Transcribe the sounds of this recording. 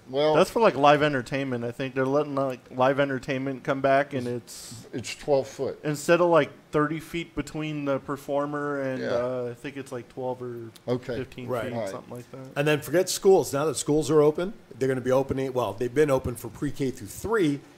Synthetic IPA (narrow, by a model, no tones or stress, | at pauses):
wɛðætsfə˞laɪklaɪvɛ̃ntə˞tʰẽɪ̃nmɨ̃ntaɪθɪ̃ŋk̚ðə˞lɛɾɪ̃n̩aɪklaɪvɛ̃ntə˞tʰẽɪ̃nmɨ̃nkʰʌ̃mbækɨ̃nɪtsɨtstʰw̥ɛlˠv̥fʊt̚ɨ̃nstɛɾʌlaɪk̚θɜ˞ɾifit̚b̥ɨtʰw̥ĩnðəpʰə˞fɔɹmə˞ɨ̃nʌaɪθɪ̃ŋkɨtslaɪk̚tʰw̥ɛlˠvə˞oʊkʰefɪftʰĩnɹaɪitsʌ̰̃mθɪ̰̃ŋlaɪk̚ðæt̚ɨ̃nðɨ̃nfə˞ɡɛtskulˠznaʊðətskulˠzə˞oʊpɨ̃nðə˞ɡʌnəbioʊpɨ̃nɪ̃t̚wɛlˠðeɪvbɨ̃noʊpɨ̃nfə˞pʰɹ̥ikʰeɪθʉθɹi